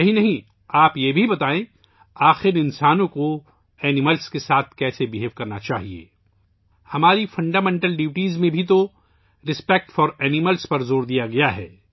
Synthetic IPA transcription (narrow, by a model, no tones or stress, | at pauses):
ɐɦinɐɦĩ | aːpjebʱibɐt̪aːẽ | aːxɪɾɪ̃nsaːnõko | ɛːnɪməlskesaːt̪ʰkɛːsebɪɦeːʋkɐɾnat͡ʃaːɦiḛː | hɐmaːɾifɐ̃ɳɖaːmɛ̃ːɳʈəlɖiːʋʈiːzmẽbʱit̪o | ɾɪspɛk̚ʈfɔːɾɛːnɪməlspɐɾzoːɾd̪ijaɡɐjaɦɛː